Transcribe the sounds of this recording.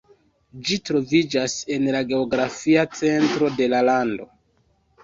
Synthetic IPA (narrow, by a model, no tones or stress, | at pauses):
d͡ʒitɾo̞vid͡ʒase̞nlaɡe̞o̞ɡɾafiat͡se̞ntɾo̞de̞lalando̞